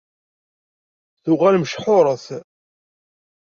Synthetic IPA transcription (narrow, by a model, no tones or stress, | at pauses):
θʊʁælməʃħʊɾˤəθ